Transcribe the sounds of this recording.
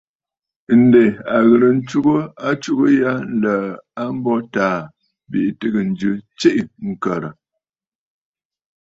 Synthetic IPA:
n̩˨de˨a˨ɣə˨ɾə˨n̩˦t͡ʃu˦ɡə˦a˦t͡ʃu˦ɣə˦ja˦lə˨a˦m̩˦bɔ˦taː˨ | bi˨ʔtɨ˦ɡə˨n̩˨d͡ʒʉ˦t͡ʃi˦ʔŋ̩˨kə˨ɾə˨

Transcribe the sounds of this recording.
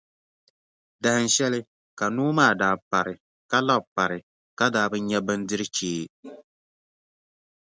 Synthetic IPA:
da˨hɨ˨n˨ʃɛ˦lɪ˦ | ka˨nuː˦maː˦˨daː˨pa˨ɾɪ˨ | ka˦la˦bpa˨ɾɪ˨ | ka˦daː˨˦bɨ˦ɲɛ˦bɨ˦ndɨ˦ɾɨ˦t͡ʃeː˦

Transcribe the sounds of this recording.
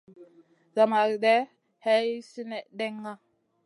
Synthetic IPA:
za˨ma˨ɾde˦ | he˦jsi˦ne˦ʔde˦ŋːa˦

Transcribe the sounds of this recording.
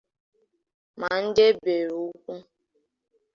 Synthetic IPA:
ma˨n̩˦de˦be˨ɾu˨u˦kʷu˦

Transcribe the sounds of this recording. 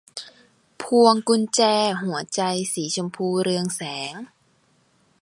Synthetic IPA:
pʰu˧əŋku˧nt͡ɕɛː˧ɦu˩˦ɐt͡ɕa˧jsiː˩˦t͡ɕʰo˧mpʰuː˧˩ɾɯ˧əŋsɛː˩˦ŋ

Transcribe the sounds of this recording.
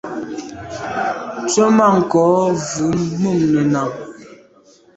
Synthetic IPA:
t͡sɔ˦ma˦˨ŋ̩˨kɔ˨˦vu˨˦nmu˦˨mnɛ˨na˨ŋ

